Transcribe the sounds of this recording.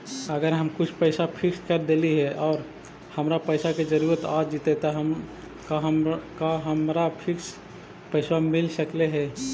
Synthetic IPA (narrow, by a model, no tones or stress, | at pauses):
əɡəɾɦəmkʊt͡ʃʰpəɪsapʰɪkskəɾd̪eliɦɛʔɔːɾ | həmɾapəɪsaked͡ʒəɾuɾət̪ad͡ʒit̪et̪ɔɦəm | kaɦkaɦəmɾapʰɪks | pəɪsamɪlsəkleɦɛː